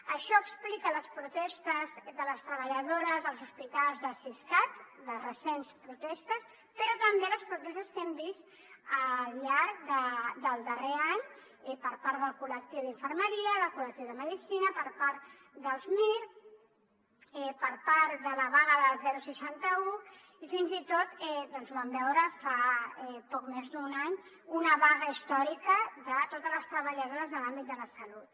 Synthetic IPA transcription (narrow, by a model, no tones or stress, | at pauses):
əʃɔəksplikələspɾut̪ɛst̪əzd̪ələst̪ɾəβəʎəðoɾəzəlˠzuspit̪alˠzðəsiskat̪ðərəsenspɾut̪ɛst̪əs | pəɾɔt̪əmbeləspɾut̪ɛst̪əst̪ɛmbis | əʎaɾkðəd̪əlˠd̪əreaɲ | ɛpəɾpaɾəlˠkulək̚t̪iwðiɱfəɾməɾiəðəlˠkulək̚t̪iwðəməðisinəpəɾpaɾt̪ | d̪əlˠzmiɾ | ɛpəɾpaɾðələβaɣəðəlzɛɾusəʃant̪əu | ifinzit̪ot̪ɛd̪ɔnzuβambɛwɾəfaɛpɔkmezðunaɲ | unəβaɣəist̪ɔɾikəðət̪ot̪ələst̪ɾəβəʎəðoɾəzðəlambit̪̚d̪ələsəlut̪